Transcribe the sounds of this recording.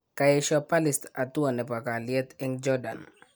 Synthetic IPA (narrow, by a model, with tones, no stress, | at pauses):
ka˨jɛʃɔpa˦lɪst̪a˨t̪u˦a˨nɛ˨pa˨ka˨liɛ˦t̪ɪ˦ŋd͡ʒɔ˦da̰˨n